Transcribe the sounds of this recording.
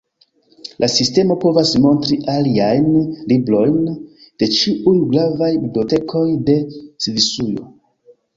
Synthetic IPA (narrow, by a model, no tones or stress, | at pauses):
lʔasiste̞mo̞po̞vasmo̞ntɾiʔaliajnliblo̞jn | d̥e̞t͡ʃiʔujɡɾavajbibliote̞kʰo̞jde̞sivisujo̞̰